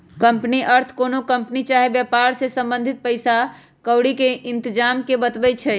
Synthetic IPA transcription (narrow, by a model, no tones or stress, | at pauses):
kəmpniʔəɾt̪ʰkonokəmpnit͡ʃaɦebjəpaɾsesəmbə̃nd̪ʱit̪̚pəɪsa | kəʊɽikeʔɪnt̪əd͡ʒamkebət̪bɛt͡ʃʰɛ